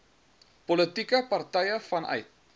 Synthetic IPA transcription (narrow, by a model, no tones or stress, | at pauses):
polət̪ikɐpart̪ɐjəfanɐ̰jt̪̚